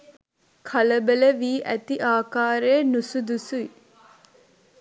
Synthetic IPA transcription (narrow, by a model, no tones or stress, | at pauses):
kʰɐləbələʋiːʔæt̪iʔaːkaːɾeːnusud̪usui